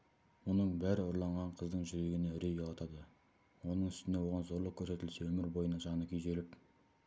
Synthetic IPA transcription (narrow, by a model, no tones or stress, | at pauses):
wonəɴbæɾɪʊɾlˠɑɴʁɑɴqʰəzd̪əɴʒʏɾe̞ɡʲɪneʏɾejolˠɑt̪ɑd̪ə | wo̞nəɴʏst̪ɪne̞wo̞ʁɑnzo̞ɾlˠəq̚kʲʰɵɾse̞t̪ɪlse̞wɵmɪɾbo̞jənɑʒɑnəkʲʰʏjze̞lɪp